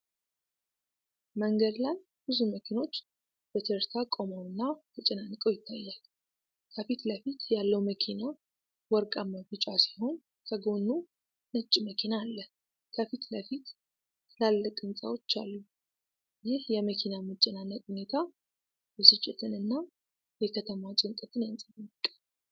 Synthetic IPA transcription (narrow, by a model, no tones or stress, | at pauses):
məŋɡəd̪laj | b̥ɨzuməkʰino̞t͡ʃː | b̥ət̪ʰɨɾt̪ʰakʼomawɨnːat̪ʰɨt͡ʃʼɪnanːɨkʼəwjɪt̪ʰːajːal | kʰəfit̪ləfit̪jalːəwməkʰina | wɔɾkʼaməɡɨt͡ʃʼasiho̞n | kʰəɡo̞nːu | nət͡ʃʼːməkʰinaːlːə | kʰəfit̪ləfit̪ | lalːəkʼɨnsʼa̰wo̞t͡ʃːa̰lːu | jɪhjɛməkʰinamɨt͡ʃʼːɪnanːət̪ʼhune̞t̪ʰa | jɛsɨt͡ʃʼːɛt̪ʰɨnɨnːa | jɛkʰət̪ʰəmat͡ʃʼɪŋkʼət̪ʰɨnjansʼabɨmkʼːa